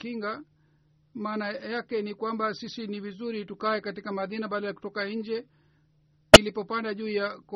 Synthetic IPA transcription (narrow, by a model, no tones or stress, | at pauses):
kiŋɡa | maːnajakɛnikwambasisinivizuɾitukaɛkatikamaðinaɓaɗajaku̥tɔkaɲ̩d͡ʒɛ | nilipɔpandaʄuːjak